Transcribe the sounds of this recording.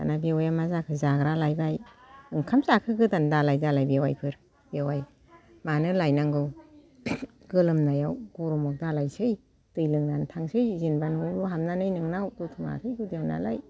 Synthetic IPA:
a̰nabewajamazakʰɯzaɡɾalajbaj | ɯŋkʰamzakʰɯɡɯdandalajdalajbewajpʰɯɾ | b̥ewaj | manɯlajnaŋɡɯw | ɡ̥ɯlɯmnajawɡ̥ɔɾɔmɔk̚dalajsɯj | d̥ɯjlɯŋnantʰaŋsɯjzinbanuluɦamnanɯjnɯŋnawdɔtʰɯma̰kʰɯjɡɯdijawna̰la̰j

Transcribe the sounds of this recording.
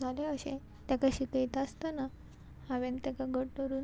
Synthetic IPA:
aleəɕḛ̃ | t̪jakaɕikəjt̪ast̪ana | haʋẽnt̪jakaɡəʈːəɾuːn

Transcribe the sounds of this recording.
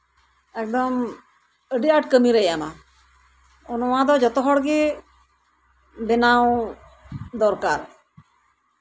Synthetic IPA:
ɛk̚d̪ɔm | əɖiaʈkəmiɾəjama | onomãd̪ɔd͡ʒɔt̪ɔɦɔɽɡe | benaw̃ | d̪ɔɾkaɾ

